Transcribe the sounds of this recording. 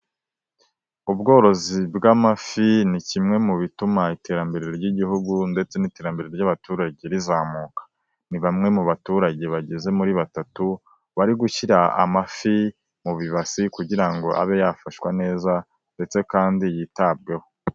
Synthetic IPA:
ubɡo̞ːɾo̞zibɡamafinicimŋe̞muβitumaite̞ɾambe̞ɾeɾoɾɟiɟiɦuɡunde̞t͡se̞nite̞ːɾambe̞ɾeeɾɟaβatuːɾaɟe̞ɾizaːmuːkḁ | niβamŋe̞muβatuːɾaɟe̞βaɟeze̞muɾiβatatu | βaɾiɡuçiɾaa̰mafi | muβiβasikuɟiɾaŋɡo̞ʔa̰βe̞jafaʃwane̞ːza | nde̞t͡se̞kaːndijitab̚ɡe̞ho̞

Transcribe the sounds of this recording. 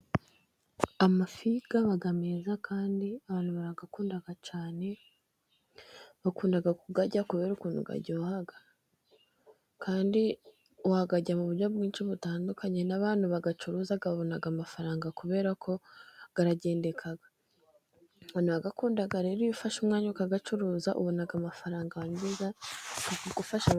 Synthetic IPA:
amafiɡ̥aβaɡameːzakʰaːndiaβaːn̥huβaɾaɡakuːndaɡat͡ʃaːne̞ | βakuːndaɡakuɡaɟakuβe̞ːɾukuːnṵɡa̰ɾɟo̞ːhaɡa | kʰaːndi | uhaɡaɟamuβuɾjo̞bɡiːnʃiβutaːndukaɲe̞naβaːnhuβaɡat͡ʃuɾuːzaɡaβaβo̞naɡamafaɾaːŋɡakuβe̞ːɾakʰo̞ɡ̥aɾaɟe̞ːnde̞kʰaɡa | βaːnuβaɡakuːndaɡaɾe̞ːɾujufaʃumŋaːɲukaɡat͡ʃuɾuːzaʔṵβo̞naɡamafaɾaːŋɡaβamiza | uɡufaʃa

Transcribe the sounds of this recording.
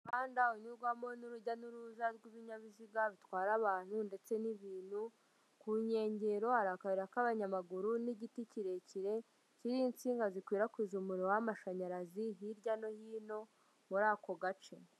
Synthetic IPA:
kaːndaoɲuɾɡwamo̞nuɾuɟanuɾuzaɾɡiβiɲaβiziɡaβitwaːɾaβaːn̥hunde̞t͡se̞niβiːn̥hu | kuɲe̞ːɲɟe̞ɾo̞haɾakaβiɾakaβaɲamaɡuɾuniɟiticiɾe̞ciɾe̞ | ciɾiːnt͡siːŋɡazikwiːɾakwiːzumuɾiowamaʃaɲaɾaziɦiɾɟano̞hiːno̞ | muɾaːko̞ɡat͡ʃe̞

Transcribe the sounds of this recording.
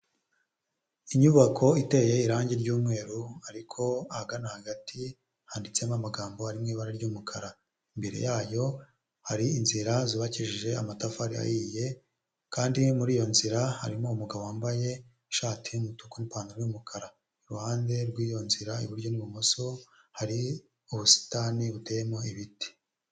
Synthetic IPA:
iɲuβakʰo̞ite̞je̞iɾaːɲɟiɾɟuːmŋe̞ːɾuaɾikʰo̞ahaɡanahaɡatʰi | haːndit͡se̞mamaɡaːmbo̞haɾimŋiːβaɾaɾɟuːmukʰaɾa | imbe̞ɾḛjaːjo̞ | haɾiinziɾaziβaciʒiʒe̞a̰matafaɾia̰jiːje̞ | kaːndimuɾiːjo̞nziɾaha̰ɾimoumuɡaβoaːmbaje̞ | ʃaːtiumutukonipaːndaɾuːmukʰaɾa | iɾuhaːnde̞ɾɡwiːjo̞nziɾaḭβuɾɟo̞niβumoso̞haɾi | uβusi̥taːniβute̞ːjemo̞iβiti̥

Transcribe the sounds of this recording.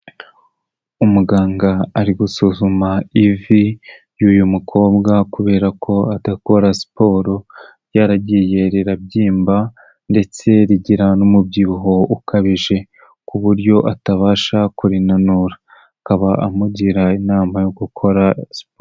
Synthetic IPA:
umuɡaːŋɡaːɾiɡusuzumaivi | juːjumukʰo̞ːbɡakuβe̞ːɾakʰo̞adako̞ɾasi̥po̞ːɾoɾjaːɾaɟije̞ɾeɾabɟiːmba | nde̞t͡se̞ɾiɟiɾanumubɟuːɦo̞ukaβiʒe̞ | kuβuɾɟo̞ʔataβaːʃakuɾinanuɾaː | kaβaʔamuɟiɾainaːmajoɡukʰo̞ɾasi̥po

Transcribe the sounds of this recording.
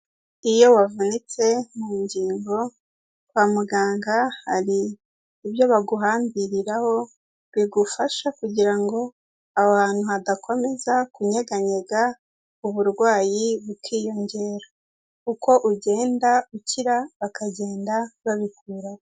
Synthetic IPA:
ijo̞wavunit͡se̞muːɲɟiːŋɡo̞ | wamuɡaːŋɡahaɾiː | βjo̞βaɡuɦaːmbiɾiɾaho̞ | βiɡufaʃakuɟiɾaŋɡo̞ | awaːn̥huhadakʰo̞me̞zakuɲe̞ɡaɲe̞ɡa | uβuɾɡwaːjiβukʰiːjo̞ɲɟe̞ːɾo̥ | kuko̞ʔuɟe̞ːndauciɾaβakaɟe̞ːndaβaβikʰuːɾa

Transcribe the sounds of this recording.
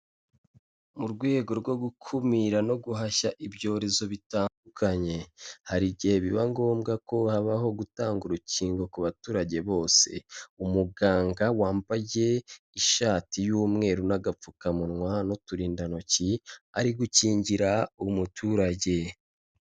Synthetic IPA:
muɾɡwe̞ːɡo̞ɾɡwo̞ɡukʰumiɾano̞ɡuɦaʃaʔibɟo̞ːɾe̞zo̞βitaːndukʰaɲe̞haɾiɟihe̞βiβaŋɡo̞ːmɡako̞haβaɦo̞ɡutaːŋɡuɾuciːŋɡo̞kuβatuːɾaɟe̞βo̞ːse̞̰umuɡaːŋɡawaːmpaje̞ | iʃaːtijuːmŋe̞ːɾunaɡap͡fukamunŋwanotuɾiːndano̞cia̰ɾiɡuciːɲɟiɾaumutʰuːɾaɟe̞

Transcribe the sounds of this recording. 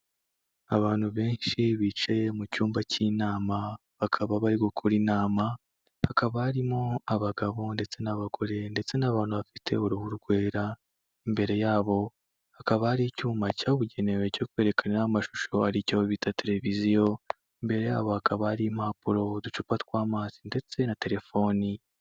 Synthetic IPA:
aβaːn̥huβe̞ːnʃiβiːt͡ʃemucuːmbacinaːma | βakʰaβaβaɾiɡokʰuɾinaːma | hakaβaːɾimo̞aβaɡaβo̞nde̞t͡se̞naβaɡo̞ɾe̞nde̞t͡se̞naβaːn̥huβafitʰe̞̰oɾuβuɾɡwe̞ːɾa | imbe̞ɾe̞jaːβo̞ | hakaβahaɾicuːmbacaːβuɟe̞ne̞we̞co̞kwe̞ːɾe̞kʰananamaʃu̥ʃo̞aɾicoβitʰate̞ɾe̞vizijo̞ | imbe̞ɾe̞ja̰ːβo̞hakaβahaɾim̥apuɾo̞dut͡ʃupatwaːmaːzinde̞t͡se̞nate̞ɾe̞fo̞ni

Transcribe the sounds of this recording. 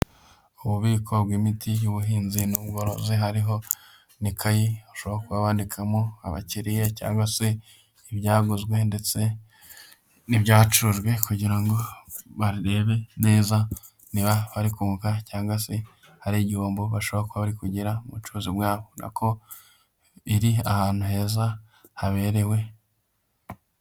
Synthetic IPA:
uβuβiːkʰobwimitʰijuβuɦiːnzinubɡoɾozeɦaɾiɦo̞ | nikʰajiaʃo̞βaakuβaβaːndikʰamoa̰βa̰ciɾijeca̰ːŋɡwase̞ | iβjaːɡuzɡwe̞nde̞t͡se̞ | nibjaːt͡ʃuuʒɡwe̞kuɟiɾaŋɡo̞βaɾiɾe̞βe̞ne̞ːza | niβaβaɾikumukacaːŋɡwase̞ | haɾiɟioːmboβaʃoβaakuβaβaɾikuɟiɾamut͡ʃuːzibwaːβonʔa̰kʰo̞ | iɾiahaːn̥huhe̞ːza | haβe̞ːɾe̞we̞

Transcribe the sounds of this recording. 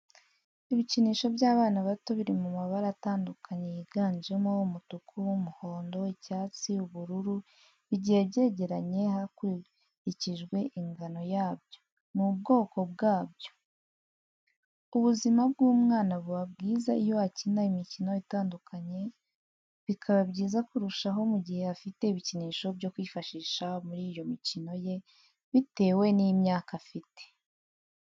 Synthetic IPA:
iβiciniːʃo̞βjaːβaːnaβato̞βiɾimumaβaɾaːtaːndukaɲe̞jiɡaːɲd͡ʒemoumutukʰumuho̞ːndo̞icaːt͡siuβuɾuɾu | βiɟiebɟe̞ɟe̞ɾaɲe̞haku | iciʒɡwe̞ʔiŋɡano̞jaːbjo̞ | mub̚ɡo̞ːko̞b̚ɡaːbjo̞̥ | uβuzimab̚ɡuːmŋaːnaβuβabɡiːzaijo̞hacinaimicino̞itaːndukʰaɲe̞ | βikʰaβabɟiːzakuɾuʃaɦo̞muɟihe̞hafite̞iβiciniːʃo̞bɟo̞kwiːfaʃiːʃamuɾiːjo̞micino̞je̞ | βite̞ːwe̞nimɲaːkafite̥

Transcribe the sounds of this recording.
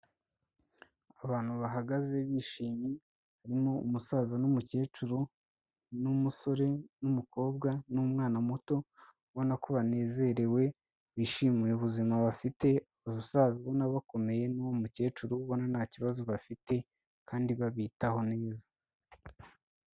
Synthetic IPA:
aβaːn̥huβaɦaɡaze̞βiːʃiːmi | haɾimo̞umusaːzanumuce̞ːt͡ʃuɾu | numuso̞ɾe̞numuko̞ːbɡanumŋaːnamuto̞ | βo̞nakoβane̞ːze̞ɾe̞we̞ | βiʃimujeβuzimaβafite̞aβaβusaːziβonaβako̞me̞je̞nawomuce̞ːt͡ʃuɾuβo̞nanaciβazoβafite̞ | kʰaːndiβaβiːtaho̞ne̞ːza

